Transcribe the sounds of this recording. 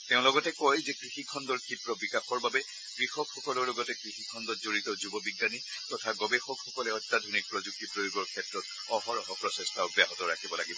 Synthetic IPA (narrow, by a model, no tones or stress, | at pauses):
teʊ̃lɔɡɔtɛkɔjzɛkɹixikʰːɔndɔɹkʰipɹɔbikaxɔɹbabɛ | kɹixɔkʰxɔkɔlɔɹlɔɡɔtɛkɹixikʰːɔndɔtzoɹitɔzubɔbiɡːanitɔtʰaɡɔbexɔkxɔkɔlɛɔtːad̪ʱonik̚pɹozuk̚tipɹojoɡɔɹkʰɛtɹɔt | ɔhɔɹɔɦɔpɹɔsɛstaɔbjaɦɔtɔɹakʰibɔlaɡibɔ